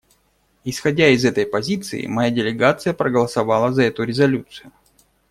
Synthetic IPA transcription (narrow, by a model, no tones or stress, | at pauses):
ɪsxɐdʲaɪzɛt̪əjpɐzʲit̪sɨ̰ɪ̰mɐjadʲɪlʲɪɡat̪sɨjəpɾəɡəlˠəsɐvɑlˠəzɐɛt̪ʊɾʲɪzɐlʲut̪sɨjʊ